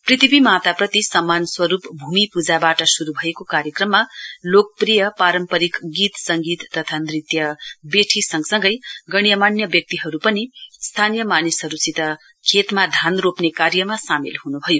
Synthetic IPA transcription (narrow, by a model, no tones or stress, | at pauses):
prit̪ʰibimat̪aprʌt̪isʌmːanswʌɾupbʱumipud͡zabaʈʌsuɾubʱʌekokaɾjʌkrʌmːalok̚prijʌpaɾʌmpʌɾikɡit̪sʌŋɡit̪ːʌt̪ʰanɾit̪jʌbeʈʰisʌŋɡsʌŋɡʌjɡʌɽ̃ijʌmanjʌbjʌk̚t̪iɦʌɾupʌnist̪ʰanijʌmanisɦʌɾusit̪ʌ | kʰet̪mad̪ʱanropnekaɾjʌmasamilhunubʱʌjo